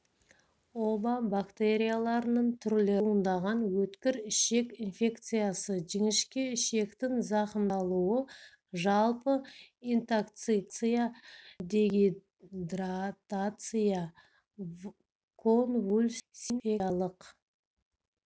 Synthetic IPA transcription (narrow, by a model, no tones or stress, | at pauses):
obabakt̪e̞ɾʲijalˠɑɾənəɴt̪ʰʏɾle̞ənd̪ɑʁɑnwɵt̪kʲɪɾɪʃe̞kʲinfʲe̞kt̪sɨjasəʒɪŋɪʃkʲɪɪʃe̞kt̪ɪŋzɑqənd̪ɑlˠuwə | ʒɑlˠpəint̪akt̪sɨkt̪sɨjad̪e̞ɡʲi | d̪rat̪at̪sɨja | kʰonvulʲsinfealˠəq